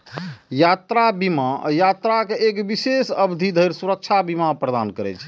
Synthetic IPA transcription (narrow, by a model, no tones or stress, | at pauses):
jat̪ɾabimajat̪ɾakeekbisesəbd̪ʱid̪ʱəjɾsuɾək̚t͡ʃʰabimapɾəd̪ankəɾɛ̰t͡ʃʰ